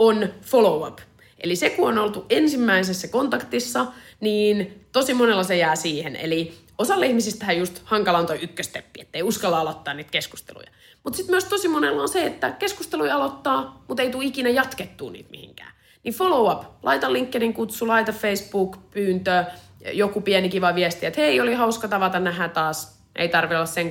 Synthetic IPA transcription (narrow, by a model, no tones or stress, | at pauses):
onfolouɑ̰p | ʔḛlisekuonolt̪uʔensimːæisesːækont̪ɑkt̪isːɑniːnt̪osimonelːɑsejæːsiːhenḛli | osɑlːeihmisist̪ːæhæjust̪hɑŋkɑlɑnt̪oiykːøst̪epːiet̪ːeiuskɑlːɑɑlot̪ːɑːniːt̪kesku̥st̪ḛlṵjɑ | mut̪sit̪myøst̪osimonelːɑonseet̪ːækeskust̪eluiɑlot̪ːɑːmut̪eit̪uːikinæjɑt̪ket̪ːuːnḭːt̪mḭhḭŋkæ̰ː | nifolouɑplɑ̰it̪ɑlːiŋkːeniŋkut̪sulɑit̪ɑffeisbuːkpyːnt̪ø | jokupiɛnikiʋɑʋiæst̪iet̪heiolihɑuskɑt̪ɑʋɑt̪ɑnæhæt̪ɑːs | ḛit̪ɑrʋilːɑsseŋ